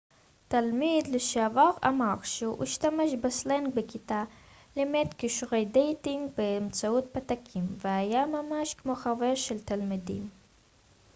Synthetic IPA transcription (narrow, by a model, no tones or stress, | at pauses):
t̪almid̪leʃeavaʁa̰maʁʃehṵʔiʃtameʃbasleŋɡbekit̪a | lemetkiʃʁe̞jdejtiŋɡbeːmt͡saut̚pat̪akʰimveajamamaʃkmo̞χave̞ʁʃelt̪almidḭm